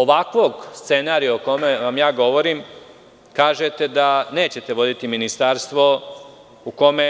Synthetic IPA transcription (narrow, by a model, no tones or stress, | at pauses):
oʋakʋo̞ɡst̪se̞naːɾijaoko̞meʋamjaːɡo̞ʋo̞ɾim | kaːʒet̪e̞d̪ane̞ːt͡ɕet̪e̞ʋo̞d̪it̪iminist̪aɾst̪ʋo̞ | uko̞me